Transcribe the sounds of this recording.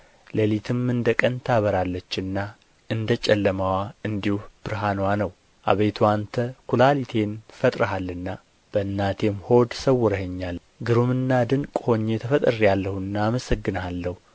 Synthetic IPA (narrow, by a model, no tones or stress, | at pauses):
ləlit̪ʰɨmɨnd̪əkʼənt̪ʰaβəɾalːət͡ʃːɨnːa | ɨnd̪ət͡ʃʼɛlːəmawaɨnd̪ihuhb̥ɨɾɦanwanəw | ʔa̰βejt̪ʰuant̪ʰəkʰulalit̪ʰe̞nfət̪ʼɾəɦalːɨnːa | b̥əɨnːat̪ʰe̞mho̞d̪səwːɔɾəhəɲːal | ɡɨɾumɨnːad̪ɨŋkʼho̞ɲːet̪ʰəfət̪ʼərijalːəhuɨnːaːməsəɡːɨnalːəhu